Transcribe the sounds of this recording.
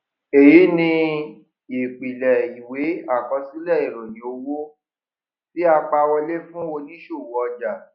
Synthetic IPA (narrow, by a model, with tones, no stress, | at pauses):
e˨ji˨˦nĩ˧ | i˨k͡pi˨lɛ˨i˨we˨˦a˦˨kɔ˧si˦lɛ˦˨i˨ɾɔ̃˨nĩ˨˦o˧wo˦ | fi˦a˧k͡pa˧wɔ˧le˦fũ˦o˧li˦ʃo˦˨wɔ˧d͡ʒa˨